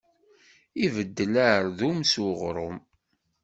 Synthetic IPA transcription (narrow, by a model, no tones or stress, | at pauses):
ivəd̪ːəlaɾðumsuʁɾˤʊm